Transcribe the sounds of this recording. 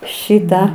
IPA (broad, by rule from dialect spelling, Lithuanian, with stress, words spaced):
ˈʃʲɪtɑː